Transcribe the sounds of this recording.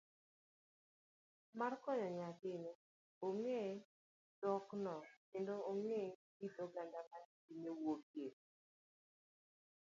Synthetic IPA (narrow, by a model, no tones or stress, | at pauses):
markɔɲɔɲakɪne | oŋe | d̥ɔknɔkendooŋeɡidoɡandamaninewoɡje